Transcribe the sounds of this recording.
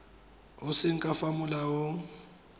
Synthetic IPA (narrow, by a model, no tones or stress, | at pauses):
usɪŋ̩kʼafamulawoŋ̩